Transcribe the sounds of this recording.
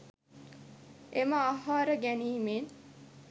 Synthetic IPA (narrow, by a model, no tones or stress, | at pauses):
eməaɦaːɾəɡæniːmeːn